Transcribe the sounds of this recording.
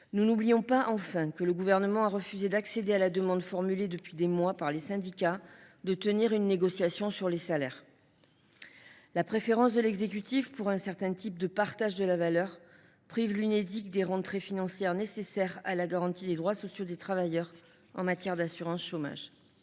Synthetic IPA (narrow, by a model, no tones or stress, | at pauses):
nunublijɔ̃paʔɑ̃fɛ̃kələɡuvɛʁnəmɑ̃aʁəfyzed̪aksed̪ealad̪əmɑ̃d̪fɔʁmyled̪əpɥid̪emwapaʁlesɛ̃d̪ikad̪ət̪əniʁynːeɡɔsjasjɔ̃syʁlesalɛʁ | lapχefeʁɑ̃s̬d̪əlɛɡzek̬yt̪ifpuʁɛ̃sɛʁt̪ɛ̃t̪ip̚d̪əpaʁt̪aʒd̪əlavalœʁ | pχivlyned̪ikd̪eʁɑ̃t̪χefinɑ̃sjɛʁnesesɛʁalaɡaʁɑ̃t̪id̪ed̪ʁwasɔsjod̪et̪χavajœʁ | ɑ̰̃mat̪jɛʁd̪asyʁɑ̃sʃoma̰ʒ